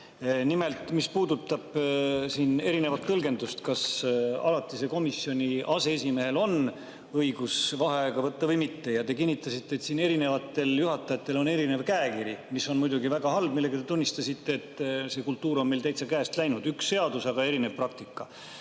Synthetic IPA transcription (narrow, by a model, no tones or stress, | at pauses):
nime̞lt̪ˑmispuːd̪ut̪ːˑɑb̥siːne̞ɾine̞vɑt̪ːɤlɡe̞nd̪ust̪kɑsɑ̰lɑt̪ːˑise̞ko̞misjo̞nʲiʔɑse̞esime̞ɦe̞lo̞n | ɤjɡ̥usvɑɦeɑeɡ̥ɑvɤt̪ːɑvɤjmit̪ːe̞jɑt̪e̞kinʲːit̪ːˑɑsit̪ˑːeːt̪siːne̞ɾine̞vɑt̪ːˑe̞ljuɦɑt̪ːˑɑjɑt̪ːˑe̞lo̞ne̞ɾine̞vkæekiɾimisːo̞nmujd̪uɡivæɡ̥ɑɦɑlb̚milːe̞ɡ̥ɑt̪e̞t̪unːist̪ɑsit̪ːe̞ːt̪ˑːse̞kult̪ːˑuːɾo̞nmelt̪æjt̪sɑkæːst̪læjnud̪̥yksːe̞ɑd̪usɑɡ̥ɑe̞ɾinevprɑk̚t̪ikːˑɑ